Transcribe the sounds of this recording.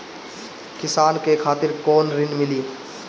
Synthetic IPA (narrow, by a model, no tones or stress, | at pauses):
kɪsaːnkekʰaːt̪ɪɾkɔːnɾɪnmɪliː